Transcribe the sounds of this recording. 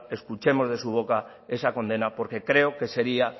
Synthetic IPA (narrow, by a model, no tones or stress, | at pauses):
e̞skut͡ʃe̞mo̞zðe̞suβ̞o̞ka | e̞sako̞nd̪e̞napo̞ɾke̞kɾe̞oke̞se̞ɾia